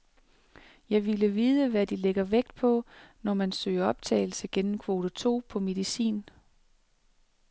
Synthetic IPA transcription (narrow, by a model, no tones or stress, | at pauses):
jɑ̈ɪʋiləʋiːð̞ˠəʋæd̥ileɡ̥ɐʋeɡ̥̚d̥̚pʰɒ̽nɒmænsø̰ːɪɐɒ̽b̥̚t͡sʰɛ̰ːɪl̩səɡ̥enm̩kʰʋo̝ːd̥ət͡sʰo̝̰ːpʰɒ̽me̝ðˠisḭːn